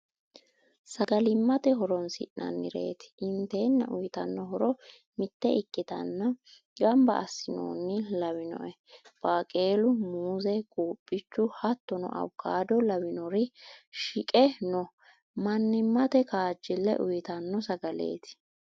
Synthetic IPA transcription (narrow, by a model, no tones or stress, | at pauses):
sɐɡɐlɪmːɐt̪ɛɦɔɾɔnsɪ̰ʔnːʔɐ̰nːɪ̰ɾe̞̰ːt̪ɪ̥ʔɪnt̪e̞ːnːɐʔʊjt̪ɐnːɔɦɔɾɔ | mɪt̪ːɛɪkːɪt̪ɐ̰nːɐ | ɡɐmbɐ̰ʔɐsːɪno̰ːnːɪlɐwɪnɔ̰ʔɛ | b̥aːkʼe̞ːlʊmuːzɛkʼuːpʼːɪt͡ʃːʊhɐt̪ːɔnɔ̰ʔɐ̰wkːaːd̪ɔlɐwɪnɔɾɪʃɪkʼɛnɔ | mɐnːɪmːɐt̪ɛkaːd͡ʒːɪlːɛ̰ʔʊjɪt̪ɐnːɔsɐɡɐle̞̰ːt̪ɪ̥